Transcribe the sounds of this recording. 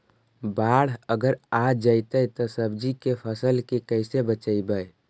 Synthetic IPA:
baːɽ̤əɡəɾaːd͡ʒaɪt̪əjt̪osəbd͡ʒikepʰəsəlkekəɪsebət͡ʃəibəj

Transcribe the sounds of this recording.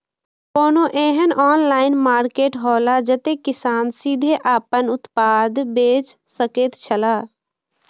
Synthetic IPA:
koːnoʔeːɦənɔːnlaːɪnmaːɾkeːʈɦɔːlad͡ʒət̪ekɪsaːnsid̪ʱeʔaːpənʊt̪paːd̪beːt͡ʃ | səket̪t͡ʃʰəla

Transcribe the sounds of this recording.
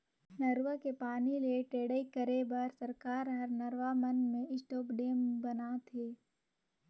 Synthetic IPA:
nəɾʋəkepaːnileʈeːɽəikəɾebəɾsəɾkaːɾɦɐɾnɐɾʋamənmẽɪsʈoːpɖeːmbənat̪ʰeː

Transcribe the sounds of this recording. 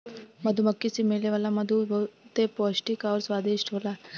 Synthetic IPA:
məd̪ʱuməkːisimeɭleʋalaməd̪ʱũbʱət̪epɔɕʈikaʋɾsʋad̪eɕʈʰola

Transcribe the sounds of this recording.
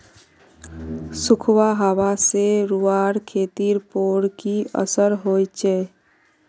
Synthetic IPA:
sukʰwaɦaʋaseɾuaɾkʰeːt̪iɾpoːɽkiə̰səɾɦojt͡ʃɛː

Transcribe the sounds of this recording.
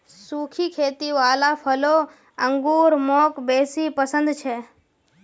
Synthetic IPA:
sukʰikʰeːt̪iʋaːlapʰəlo | ə̃ŋɡuɾmoːkbeːsipəsə̃nd̪t͡ʃʰe

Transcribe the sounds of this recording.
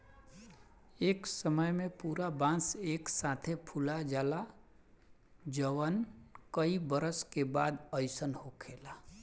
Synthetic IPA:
eːksəməjmẽpuːɾabãːseːksaːt̪ʰepʰulad͡ʒaːla | d͡ʒəʋənkəibəɾəskebaːd̪əjsənɦhokʰeːla

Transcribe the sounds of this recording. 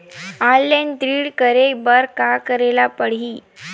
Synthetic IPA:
alːent̪ɾiːɽkəɾebəɾkakəɾelapəɽ̤iː

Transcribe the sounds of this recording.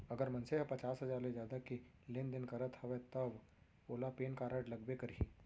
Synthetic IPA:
ɐɡəɾmɐ̃nseɦpɐt͡ʃaːsɦɐzaːɾled͡ʒjaːd̪ake | lend̪ɪnkɐɾət̪hɐʋet̪ɐb | oːlapeːnkaɾəʈlɐɡbekəɾiː

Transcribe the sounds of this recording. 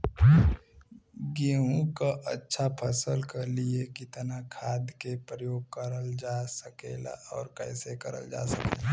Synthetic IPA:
ɡiũkaʔətːʃʰapʰəsəlkaliekɪt̪nakʰaːd̪kepɾəjoːɡ̚kəɾəld͡ʒaːsəkḛla̰ɔːɾkɛ̃ːsekəɾə̰ld͡ʒa̰ːsəkela

